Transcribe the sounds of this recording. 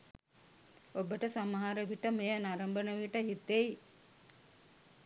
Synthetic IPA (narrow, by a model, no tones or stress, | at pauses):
obəʈəsamɦaɾəʋiʈəmejənaɾəmbənəʋiʈəɦit̪ːej